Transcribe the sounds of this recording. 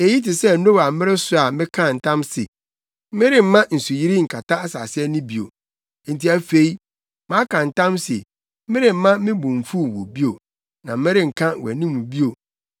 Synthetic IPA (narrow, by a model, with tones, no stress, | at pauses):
e˨ji˦tɪ˨sɛ˦n̩˦no˦wa˨m̩˦mɪ̃˦ɾɪ˦sʊ˦a˨mɪ̃˦kʰã˦˨n̩˨tʰã˦msɪ̰˨ | m˦mɪ̃˦ɾɪ˦m̩˦mːã˦n̩˨su˨ji˦ɾi˦ŋ̩˨kʰa˨tʰa˦a˦sa̰ː˨sɪ˦ɛ˦nʊ̃˦bi˨o̰˨ | n̩˨ti˨æ˨fe˦i˦ | mã˨˦kʰã˨n̩˨tã˦mse˨˦ | mɪ̃˦ɾɪ˨m̩˨˦mã˦mɪ̃˦bũ˨ɱ˨fu˦˨wo̰˨bi˦o˨ | nã̰˨m̩˦mɪ̃˦ɾɪ̃˨ŋ̩˨kʰã˦˨wæ̰˨nĩ˦mːũ˨bi˦o˨